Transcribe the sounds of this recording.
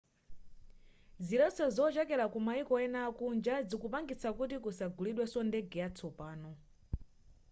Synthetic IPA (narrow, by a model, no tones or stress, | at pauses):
ziɾɛt͡sɔzɔt͡ʃɛkɛɾakumaikɔɛnaːkund͡ʒad͡zikupaŋɡit͡sʰakut̬ikusaɡuliɗwɛsɔndɛɡɛjat͡sʰɔpaːnɔ